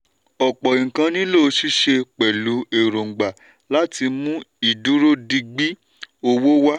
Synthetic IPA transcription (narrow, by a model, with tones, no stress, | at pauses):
ɔ˨k͡pɔ˨ĩ˨ŋ̩˨kã˧nĩ˦lo˦˨˧ʃi˦ʃe˧k͡pɛ˨lu˨˦e˨ɾo˨ŋ̩˨ɡ͡ba˨ | la˦ti˧mũ˦i˦˨du˨˦ɾo˦di˧ɡ͡bi˦ | o˧wo˦wa˦